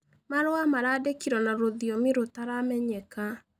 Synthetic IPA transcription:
maɾoamaɾadekiɾɔnaɾoðiomiɾotaɾamɛɲɛka

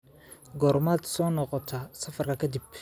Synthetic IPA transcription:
ɡɔːɾmad̪sɔːnɔqɔt̪ʰɐsɐfɐrkʰɐkʰɐd̪ib

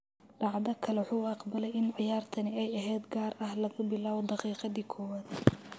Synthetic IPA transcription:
ɖ̥ɑʕd̪ɐkʰɐlɛħuːɑqbɐlɛjɪnʕɪjaːrt̪ʰɐnɪɛjɐɦɛːd̪ɡaːɾʔɐhlɐɣʊbɪlaːβɔd̪ɑqiːqɑðiːkʰɔːwaːd̪̥

